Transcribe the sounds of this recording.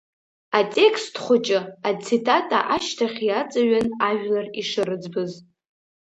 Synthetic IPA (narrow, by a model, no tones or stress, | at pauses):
atʲʼe̞kʰstʰχʷʊt͡ʃʼɪat͡sʰitʼatʼa̰ʔaʃtʰaχʲjat͡sʼaɥanaʒᶣlariʂɨɾɨd͡zbɨz